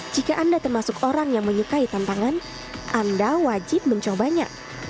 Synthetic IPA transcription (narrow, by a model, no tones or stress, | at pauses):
d͡ʒikaʔandat̪ərmasʊkoɾaŋjaŋməɲukait̪ant̪aŋan | ʔandawad͡ʒɪp̚məɲt͡ʃobaɲa̰